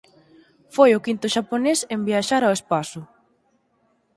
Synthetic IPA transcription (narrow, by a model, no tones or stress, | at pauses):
fojʊkint̪ʊʃaponesembiaʃaɾawespasʊ